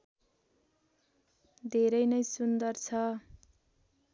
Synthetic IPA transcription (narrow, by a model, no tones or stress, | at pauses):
d̪ʱeɾʌjnʌjsund̪ʌrt͡sʰʌ